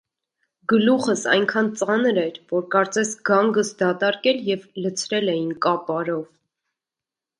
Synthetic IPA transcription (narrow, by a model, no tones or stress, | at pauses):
ɡəluχəsɑ̰jŋkʰɑnt͡sɑnɾɛɾvɔɾkɑɾt͡sɛsɡɑŋɡəsd̪ɑt̪ɑɾkɛljɛvlət͡sʰɾɛlɛjinkɑpɑɾɔv